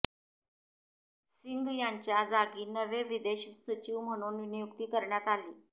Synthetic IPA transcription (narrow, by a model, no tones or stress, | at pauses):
siŋɡjaɲt͡ɕjad͡zaɡiːnəʋeʋid̪eɕsət͡ɕiʋm̤əɽ̃uːnʋinijukt̪iːkəɾɳjat̪aliː